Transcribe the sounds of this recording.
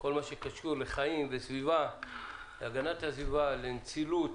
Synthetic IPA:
ko̞lmaʃekaʃuleχaimvesviva | leaɡanathasvivalent͡silut

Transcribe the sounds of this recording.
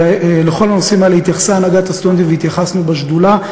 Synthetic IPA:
leχo̞lano̞simalehit̪jaχsaːnaɡat̪ast̪uent̪̬iveit̪jaχasnubaʃd̪ula

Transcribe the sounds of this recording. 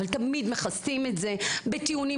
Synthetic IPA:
alt̪ɐmid̪me̞χastimetze̞bet̪iuni

